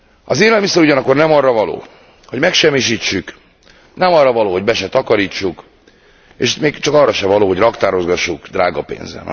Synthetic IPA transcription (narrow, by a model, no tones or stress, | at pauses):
ɒzeːlɛlmisɛɾuɟɒnɒkːornɛmɒrːɒvɒlo̰ː | ho̞ɟmɛkʃɛmːiʃ̬iːt͡ʃːyk | nɛmɒrːɒvɒloːɦo̞ɟbɛʃɛt̪ɒkɒɾiːt͡ʃːuk | ḛːʃit̪meːɡt͡ʃɒkɒrːɒʃɛvɒloːɦoɟrɒkt̪aːɾo̞zɡɒʃːukd̪raːɡɒpḛːnzɛ̰n